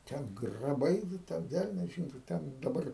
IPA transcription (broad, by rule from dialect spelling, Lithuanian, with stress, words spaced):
ˈtʲɛn ɡrɐˈbɐɪ ʋʲɪ ˈtʲɛn ˈʋʲɛlʲnʲɛs ˈʒʲɪnoː ˈtʲɛn dɐˈbɐr